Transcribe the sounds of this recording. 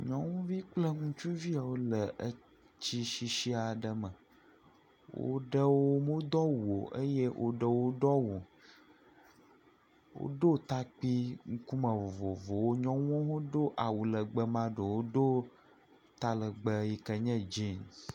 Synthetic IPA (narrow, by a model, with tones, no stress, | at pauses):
ɲɔ̃˦wũ˦vi˦k͡plə˦ŋũ˦t͡ʃu˦vi˦a˨wo˦lə˨ʔə˦ | t͡ɕi˦ʃi˦ʃi˦a˨ɖə˨mə˨ | wo̰˦ɖə˦wo˦mo˦d̪ɔ˦wo˨ʔə˦je˦wʔo̰˦ɖə˨wo˦ɖɔ˦wo˨ | wo̰˦ɖo˦t̪a˦k͡pi˦ŋu˦ku˦mə̃˨vo˨vo˨vo˨wo˦ɲɔ̃˦w̃o˦ɦo˦ɖo˦ʔa˨wu˨lə˨ɡ͡bə˨mã˦ɖə˨wo˦ɖo˦ | t̪a˦lə˨ɡ͡bə˦ji˨kə˨ɲɛ̃˦d͡ʒi˦˨ns